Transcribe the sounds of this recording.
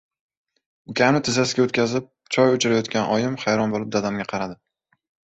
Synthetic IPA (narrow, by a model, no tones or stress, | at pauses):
ʊkʲʰamnɪt̪ʰɪzasɪɡʲaot̪kʲazɪp̚ | t͡ʃʰɒjʊt͡ʃʰaɾajɒt̪kʲanʔɒjɪmχajɾɒnbolˠɪp̚d̪ad̪amɡʲaqʰɑɾad̪ɪ